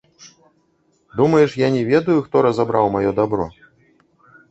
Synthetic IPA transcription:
d̪umɐjɛʂjanʲɛvʲɛd̪ɐjuxt̪ɔɾɐzabɾawmajɔd̪abɾɔ̰

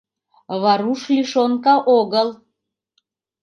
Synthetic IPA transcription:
βɑɾuʃliʃonkɑʔoɣəl

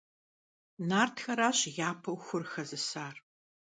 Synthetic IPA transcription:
naːrtʰxɐɾaːɕjaːpʰɐwxʷʊrxɐzɨsaːr

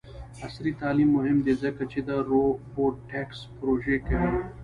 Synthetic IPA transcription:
ɐsɾit̪aːlimːʊɦɪmd̪ezɐkɐt͡ɕʰid̪aɾoboːɖʈekspɾoːʒekɐ

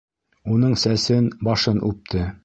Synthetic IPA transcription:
unɤɴsæsɘnbɑʃɤnʉp̚t̪ʰɘ

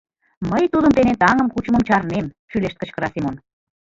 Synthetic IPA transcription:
məjt̪ud̪əmt̪enet̪ɑŋə̆mkut͡ɕə̆mə̆mt͡ɕɑrnem | ʃyleʃt̪kə̆t͡ɕkə̆ɾɑsimon

